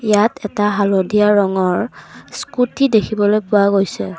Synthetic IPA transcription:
ijatʰɛtaɦalodiaɹɔŋɔɹskutidekʰibɔlojpʊaɡojsɛ

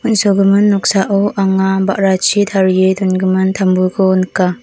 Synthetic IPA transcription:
unsoɡɯmɯnːɔk̚saʔɔʔaŋaba̰ʔɾat͡ʃʰit̪ʰaɾjetunɡɯmɯntʰambukʰɔnka

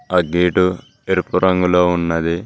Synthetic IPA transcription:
ɐɡiːʈu | eɾpuɾʔɐŋɡuloːunːɐd̪i

